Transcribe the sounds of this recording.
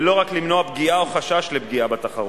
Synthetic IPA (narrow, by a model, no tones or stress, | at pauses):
lo̞ʁaklimno̞abɡiaoχaʃaʃle̞bɡiabat̪aχaʁ